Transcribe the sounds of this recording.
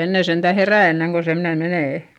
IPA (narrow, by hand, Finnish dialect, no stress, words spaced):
enːe sentæ heræˑ enːeŋ ko semne meneˑ